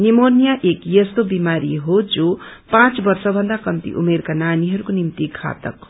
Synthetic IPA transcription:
nimonijaʔekjʌst̪obimaɾiɦod͡zopãt͡sbʌrsʌbʱʌnd̪akʌmt̪ḭʔṵmerkananiɦʌɾukonimt̪ikʰa̰t̪ʌ̰k

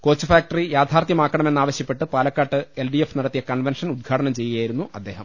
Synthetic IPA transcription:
ko̞ːt͡ɕːufaːk̚ʈɐrijaːd̪ʱaːrt̪jɐmaːkːɐɳɐme̞nːaːʋɐɕjɐpːe̞ʈːɨpaːlɐkːaːʈːɨelɖiefnɐɽɐt̪ːijɐkɐɳʋenʂɐnud̪̚ɡʰʱaːʈɐnɐmt͡ɕe̞jːɐjaːjiɾun̪ːuʔɐd̪ːe̞ːhɐm

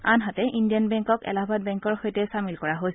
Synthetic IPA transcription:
anɦatɛʔindijanbɛŋkɔkɛ̰labʱat̚bɛŋkɔɹxojtɛsamilkɔɹaɦoj

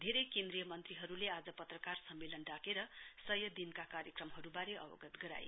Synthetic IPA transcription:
d̪ʱeɾejkend̪ɾijʌmʌnt̪riɦʌɾulead͡zʌpʌt̪rʌkarsʌmːelʌnɖakeɾʌsʌjʌd̪inkakaɾjʌkrʌmɦʌɾubaɾeʔʌ̰bʌ̰ɡʌt̪ɡʌɾa̰j

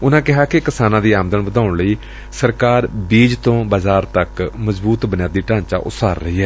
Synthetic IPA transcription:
ʊnãːkɪɦaːkekɪsaːnãːd̪iːaːməd̪ənʋəd̪aːʊɳləiː | səɾkaːɾbiːd͡ʒt̪õːbaːzaːɾt̪əkməzbuːt̪bənɪjaːd̪iːʈãːɲt͡ʃa̰ːʔʊ̰t̪saːɾːəiːɦɛː

